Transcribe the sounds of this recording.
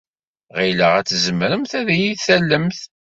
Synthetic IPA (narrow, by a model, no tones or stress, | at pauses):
ʁiləʁæt͡sːzəmɾəmθæðjiθælːəmθ